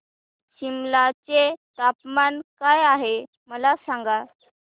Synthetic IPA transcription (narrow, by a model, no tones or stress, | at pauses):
ɕimlat͡set̪apmankajaɦe | məlasaŋɡa